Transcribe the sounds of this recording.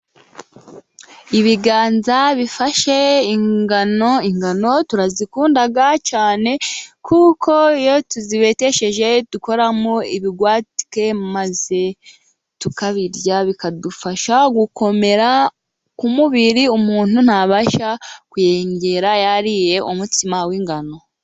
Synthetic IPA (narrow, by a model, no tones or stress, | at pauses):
iβiɡaːnzaβifaʃe̞iŋɡanoiŋɡano̞tuɾazikuːndaɡat͡ʃaːne̞kukʰo̞ijo̞tuziβe̞te̞ʃe̞ʒe̞tuko̞ɾamoiβiɡwaːti̥ke̞maze̞ | tukaβiɾɟaβikadufaʃaɡuko̞me̞ɾa | kumuβiɾiumuːn̥hun̥haβaʃakuje̞ːɲɟe̞ɾajaɾije̞ʔumutimawiːŋɡano̞